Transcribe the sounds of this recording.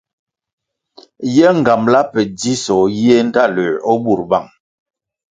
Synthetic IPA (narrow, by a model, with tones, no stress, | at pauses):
jɛ˦ŋ̩˨ɡa˨mla˦pɛ˨di˦sɔ˨ji˦e˦n˦ta˦˨ləː˨ɔ˦bu˨ɾba̰˦˨ŋ